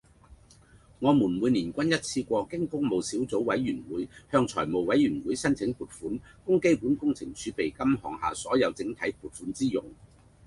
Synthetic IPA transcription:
ŋɔː˨˧muː˨˩nmwuː˨˧jniː˨˩nkʷɐ˥njɐ˥t̚t͡sʰiː˧kʷɔː˧kɪ˥ŋkʊ˥ŋmo˨˧wsiː˨˥wt͡so˨˥wwɐ˨˧˥jːyː˨˩nwuː˨˥jhœː˧ŋt͡sʰɔ̰ː˨˩jmo˨wwɐ˨˥jɥyː˨˩nwu˨˥jsɐ˥nt͡sʰɪ˨˥ŋpuː˨t̚fuː˨˥nkʊ˥ŋke˥jpuː˨˥nkʊ˥ŋt͡sʰɪ˨˩ŋt͡ʃyː˨˥pe˨˩jkɐ˥mɦɔː˨ŋha̰ː˨sɔː˨˥jɐ˨˧wt͡sɪ˨˥ŋt̪ʰɐ˨˥jpuː˨˩t̚fuː˨˥nt͡siː˥jʊ˨˩ŋ

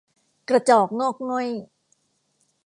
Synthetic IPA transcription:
kɾa˧t͡ɕɔː˨˩k̚noː˥˩k̚nu˦˥˩ə˨j

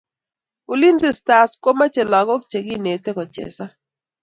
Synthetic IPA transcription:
u˨li˦nze˦˨sta˨sko˦ma˦t͡ʃɛ˨la˨kɔ˦k̚t͡ʃe˨ɡi˦ne˨tɛ˦kɔ˨t͡ʃɛ̰˨sa˦

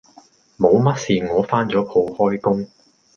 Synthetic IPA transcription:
mo˨˧wmɐ˥t̚siː˨ŋɔː˨˧faː˥nt͡ʃɔː˨˥pʰo˨˧whɔː˥jkʊ˥ŋ

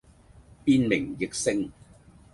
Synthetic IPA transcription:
piː˥nmɪ˨˩ŋjɪ˨k̚sɪ˥ŋ

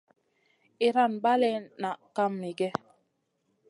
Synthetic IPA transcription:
i˨ɾa˦˨nba˦lɛ˦˨na˨ʔka˦mni˨ɡɛ˦

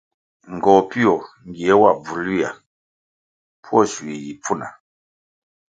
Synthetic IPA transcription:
ŋ˨ɡɔ˨pi˦ɔ˨ | ŋ˨ɡi˨ɛ˨˦wa˦˨b͡vu˨lu˦a˨ | pʰu˦ɔ˦˨su˨i˨ji˨p͡fu˦˨na̰˨

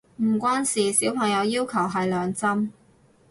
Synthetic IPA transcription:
m̩˨˩kʷaː˥nsiː˨siː˨˥wpʰɐ˨˩ŋjɐ˨˧wjiː˥wkʰɐ˨˩wɦɐ˨jlœː˨˧ŋt͡sɐ˥m

